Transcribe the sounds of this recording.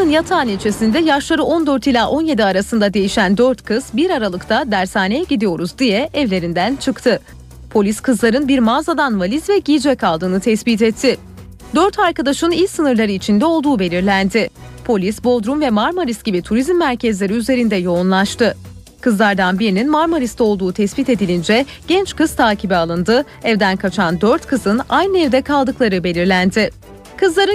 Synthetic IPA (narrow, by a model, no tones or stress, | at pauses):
t̪ɯnjat̪ʰaːnit͡ʃʰesind̪ɛjaʃlˠaɾɯo̞nd̪øɾt̪ilʲaːʔo̞nje̞d̪iaɾasɯnd̪ad̪e̞jiʃænd̪øɾt̪kʰɯz̥biɾaɾalˠɯkt̪ʰad̪æɾsaːnejɛɟid̪ijo̞ɾuzd̪ijɛɛvlʲe̞ɾind̪ænt͡ʃʰɯkt̪ʰɯ | pʰo̞lʲiskʰɯzlˠaɾɯnbiɾmaːzad̪anvalʲizvɛɟiːd͡ʒɛkʰalˠd̪ɯːnɯt̪ʰɛsbit̪̬ɛt̪ʰːɪ | d̪øɾt̪ʰaɾkad̪aʃɯnijsɯnɯɾlˠaɾɯit͡ʃʰind̪ɛo̞lˠd̪uːbe̞lʲiɾlʲænd̪ɪpʰo̞lʲisbo̞d̪ɾumvɛmaɾmoɾisɟibit̪ʰuɾizmːæɾcʰɛzlʲe̞ɾiyze̞ɾind̪ɛjo̞unlˠaʃt̪ɯ | kɯzlˠaɾd̪anbiɾininmaɾmoɾist̪ɛo̞lˠd̪uːt̪ʰɛsbit̪e̞d̪ilʲind͡ʒɛ | ɟ̥ɛnt͡ʃkɯz̥t̪ʰaːcʰibɛalˠɯnd̪ɯ | ɛvd̪ænkʰat͡ʃʰand̪øɾt̪kʰɯzɯnajnɯɛvd̪ɛkʰalˠd̪ɯklˠaɾɯbe̞lʲiɾlʲænd̪ɪ | kʰɯzlˠaɾɯ